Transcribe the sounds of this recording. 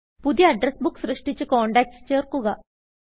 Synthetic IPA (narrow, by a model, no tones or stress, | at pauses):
pud̪jɐɐɖɾesbukːsɾɨʂʈit͡ɕːɨkoːɳɖaːk̚ʈst͡ɕeːrkuɣɐ